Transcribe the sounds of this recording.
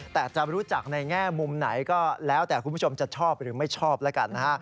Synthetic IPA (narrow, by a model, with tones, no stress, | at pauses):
t̪ɛː˨˩t͡ɕa˨ʔɾuː˦˥t͡ɕa˨˩k̚na˧jŋɛː˥˩mu˧mna˩˦jkɔː˥˩lɛː˦˥wt̪ɛː˨˩kʰu˧mʰ˦˥˩o˧mt͡ɕa˨˩t͡ɕʰɔː˥˩p̚ɾɯː˩˦ma˥˩jt͡ɕʰɔː˥˩p̚lɛː˦˥ka˧nːa˦˥kʰa˦˥˩